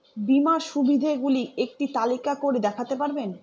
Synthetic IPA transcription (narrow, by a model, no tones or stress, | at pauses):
bimaʃubʱid̪ʱaɡuliek̚ʈit̪alikakoɾed̪ɛkʰat̪epaɾben